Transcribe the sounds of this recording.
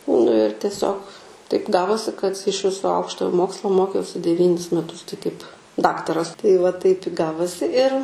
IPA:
nʊ ɪr tʲiɛˈsʲoːk tɐɪp ˈɡɑːʋoːsʲɪ kɐt ɪʃ ˈʋʲɪsoː ˈɐʊkʃtoːjoː ˈmoːkslˠoː ˈmoːkʲɛʊsʲɪ dʲɛˈʋʲiːnʲɪs mʲɛˈtʊs tɐɪ kɐɪp ˈdɑːktɐrɐs tɐɪ ʋɐ tɐɪp ɪ ˈɡɑːʋoːsʲɪ ɪr

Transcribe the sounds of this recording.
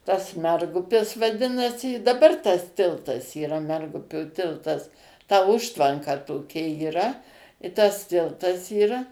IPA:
tɐs ˈmʲɛrɡʊpʲɪs ʋɐˈdʲɪnɐsʲɪ ɪ dɐˈbɐr tɐs ˈtʲɪlˠtɐs iːˈrɐ ˈmʲɛrɡʊpʲoː ˈtʲɪlˠtɐs tɐ ˈʊʃtʋɐŋkɐ toːˈkʲɛ iːˈrɐ ɪ ˈtɐs ˈtʲɪlˠtɐs iːrɐ

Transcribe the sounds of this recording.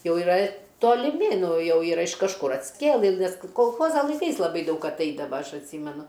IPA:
ˈjɛʊ iːˈrɐ toːlʲɪˈmʲɪ ˈnʊ ˈjɛʊ ˈiːrɐ ɪʃ kɐʃˈkʊr ɐtʲsʲkʲˈeːlˠɨ nʲɛs koːlˠˈxoːzɐ lˠɐɪˈkɐɪs lˠɐˈbɐɪ ˈdɐʊk ɐtˈɐɪdɐʋɐ ˈɐʃ ɐtʲˈsʲiːmʲɛnʊ

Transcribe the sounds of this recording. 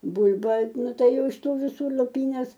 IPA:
ˈbʊlʲbɐ ˈnʊ ˈtɐɪ ˈjɛʊ ɪʃ ˈtuː ʋʲɪˈsuː lˠʊˈpʲiːnʲɛs

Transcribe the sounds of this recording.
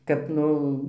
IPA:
kɐt ˈnʊ

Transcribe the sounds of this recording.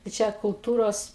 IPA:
tɐɪ ˈt͡ʃʲɛ kʊlˠˈtuːroːs

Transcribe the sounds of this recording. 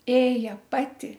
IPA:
ˈeːjɛ ˈpɑːtʲɪ

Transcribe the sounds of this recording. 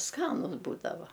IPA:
ˈskɑːnʊs ˈbuːdɐʋɐ

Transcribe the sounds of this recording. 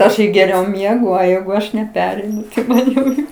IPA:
ˈɐʃ ɪ ɡʲɛˈrʲɛʊ ˈmʲiɛɡʊ oː ˈjɛɪɡʊ ˈɐʃ nʲɛˈpʲæːrʲɛɪnʊ tɐɪ ˈmɐn jɛʊ ˈjɛʊ

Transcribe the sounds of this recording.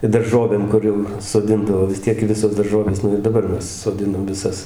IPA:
ɪ dɐrˈʒoːʋʲeːm ˈkʊr jɛʊ soːˈdʲɪndɐʋoː ʋʲɪs ˈtʲiɛk ˈʋʲɪsoːs dɐrˈʒoːʋʲeːs ˈnʊ ɪr dɐˈbɐr ˈmʲɛs soːˈdʲɪnɐm ʋʲɪˈsɐs

